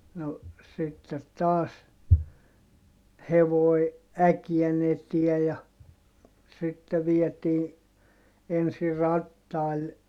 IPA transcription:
no sitːet tɑːs heʋoi̯ ækiɛn etiɛ jɑ sitːe ʋiɛtiː ensi rɑtːɑil

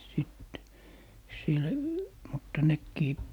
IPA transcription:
sit sil mutːɑ nekːiː

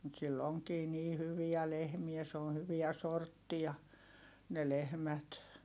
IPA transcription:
mut silː oŋkiː niː hyʋiæ lehmiæ s oːn̞ hyʋiæ sortːiɑ ne lehmæt

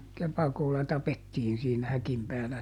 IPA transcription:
kepɑkolːɑ tɑpetːiːn siːnæ hækim pæːlæ

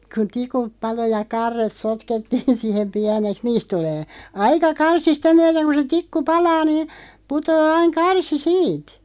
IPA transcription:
ku tikup pɑlo jɑ kɑrːet sotketːiːn sihem piæneks niːst tuleː ɑikɑ kɑrsi sitæ myæɾeŋ ku se tikːu pɑlɑː niːn̞ putoː ɑiŋ kɑrsi siːt

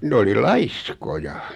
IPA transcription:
n oli lɑiskojɑ

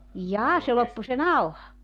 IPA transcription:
jɑː se lopːu se nɑuhɑ

